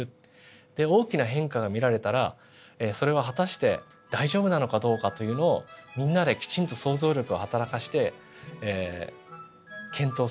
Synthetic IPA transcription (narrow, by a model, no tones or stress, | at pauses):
ɯ̟ | d̪̥e̞o̞ːkʲinaɦẽ̞ŋkaɡamʲiɾaɾe̞t̪aɾa | eso̞ɾe̞β̞aɦat̪aɕi̥t̪e̞ | d̪̥aiʑo̞ːbɯ̟nano̞kad̪o̞ːkat̪o̞jɯ̟ːno̞ːmʲĩnːad̪e̞kʲi̥t͡ɕĩnt̪o̞so̞ːzo̞ːɾʲo̞kɯ̟ohat̪aɾakaɕi̥t̪e̞ | kʰẽ̞nt̪o̞ː